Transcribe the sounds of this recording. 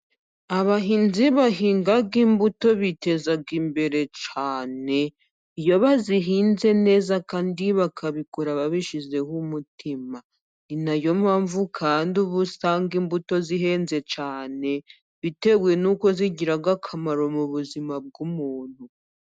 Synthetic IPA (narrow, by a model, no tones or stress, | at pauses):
aβaɦiːnziβaɦiːŋɡaɡimbuto̞βite̞zaɡimbe̞ɾe̞t͡ʃaːne̞ | ijo̞βaziɦiːnze̞ne̞ːzakaːndiβakʰaβikoɾaβaβiʃize̞humutʰima | ninajo̞maːɱvukʰaːnduβusaːŋɡimbuto̞ziɦe̞ːnze̞t͡ʃaːne̞ | βite̞ɡwe̞nuko̞ziɟiɾaɡakʰamaɾo̞muβuzimab̚ɡumuːn̥hu